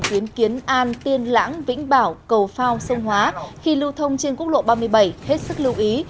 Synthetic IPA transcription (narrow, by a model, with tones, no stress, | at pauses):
t͡ɕ̪i˨˦ənki˨˦ənʔaː˧nt̪i˧ənla̰ː˧˥ŋvḭ̈˧˥ŋ̟ɓaː˧˩wkə˨˩wfaː˧wsə˧wŋ͡mɦwaː˨˦xi˧lɨ˧wt̪ʰə˧wŋ͡mt͡ɕe˧nku˦˥ək̚lo̰˧˨ɓaː˧mɨ˧əjɓa˧˩jhe˦˥t̚sɨ˦˥k̚lɨ˧wʔi˨˦